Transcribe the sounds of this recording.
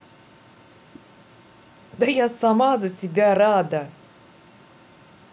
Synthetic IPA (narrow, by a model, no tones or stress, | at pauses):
d̪ajasamaːzɨsibʲæɾaːd̪a